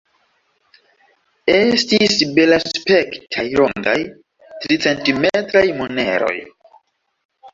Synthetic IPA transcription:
e̞stisbe̞laspe̞ktʰajlo̰ŋɡa̰j | tɾit͡se̞ntimetɾajmone̞̰ɾo̞̰j

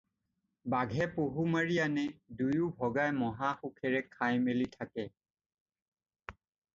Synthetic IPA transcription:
baɡʱɛpoɦumaɹianɛdujubʱɔɡajmɔɦaxukʰɛɹɛkʰajmelitʰakɛ

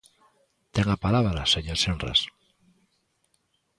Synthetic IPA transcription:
t̪eŋapalaβɾaseɲosenra̰s

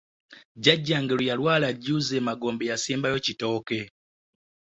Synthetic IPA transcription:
ɟaɟːaŋɡelujalwaːlaɟuːzeːmaɡo̞ːmbejasiːmbajo̞cito̞ːke̞

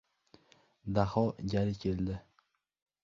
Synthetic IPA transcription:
d̪ahɒɡʲaɾɪkʲʰeld̪ɪ

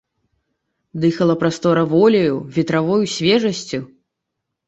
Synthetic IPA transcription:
d̪ɨxɐlˠɐpɾast̪ɔɾɐvɔlʲɐjuvʲit̪ɾavɔjusʲvʲɛʐɐsʲt͡sʲu

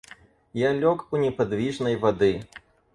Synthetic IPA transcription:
jalʲɔkunʲɛpad̪vʲiʐnɐjvad̪ɨ

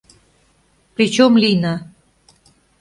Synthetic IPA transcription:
pɾʲit͡ɕomlina

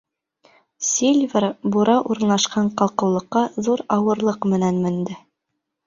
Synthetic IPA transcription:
sʲilʲvʲeɾbuɾɑʔuɾ̆nɑʃqɑɴqɑlˠqɤ̆wlˠɤ̆qːɑðuɾɑwɤ̆ɾlˠɤqmɘ̆nænmɘ̆nd̪ɘ

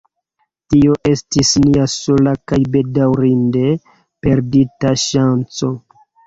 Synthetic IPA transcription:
tio̞ʔe̞stisniaso̞lakajbe̞dawɾinde̞ | pe̞ɾditaʃant͡so̞

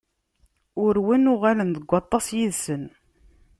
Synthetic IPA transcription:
ʊɾwinʊʁalənðəɡʷːɑt̪ˤːɑsjiðsən

